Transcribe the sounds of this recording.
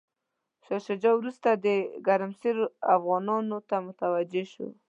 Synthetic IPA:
ʃaʃad͡ʒɑwɾust̪ad̪əɡaɾmseɾafɣɑnɑnot̪amʊt̪awad͡ʒeʃo̰

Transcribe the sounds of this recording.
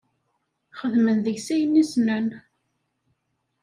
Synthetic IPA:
χəðmənðəʝsæjənːisnæn

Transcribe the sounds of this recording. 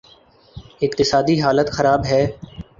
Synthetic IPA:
ɪk̚t̪ɪsaːd̪iɦaːlət̪xɐɾaːbɦɛː

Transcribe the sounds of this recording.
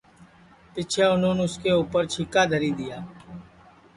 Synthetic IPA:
pɪt͡ʃʰɛːʊnõːnːʊskeːuːpəɾt͡ʃʰɪkaːd̪ʱəɾiːd̪ɪjaː

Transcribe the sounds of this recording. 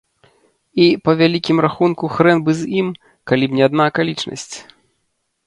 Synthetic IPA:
ipɐvʲalʲikʲimraxunkuxɾɛnbɨzʲim | kalʲibnʲɛad̪nakalʲit͡ʂnɐ̰sʲt͡sʲ

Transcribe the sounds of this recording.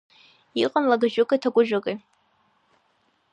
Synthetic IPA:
iqʼənlaɡaʒʊkʼatʰaɡʷʼʊʒᶣakʼe

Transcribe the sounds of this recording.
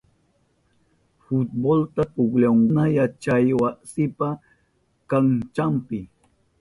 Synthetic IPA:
fut̪̚bolt̪apʊɡlaŋʊnajat͡ʃajwasɪpa | kaŋt͡ʃampɪ

